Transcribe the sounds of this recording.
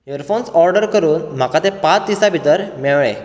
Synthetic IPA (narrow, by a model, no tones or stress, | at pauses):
jəɾfonsɔɾɖəɾkəɾuːnm̤akat̪epat͡sd̪isabʱit̪əɾmeɭɭẽ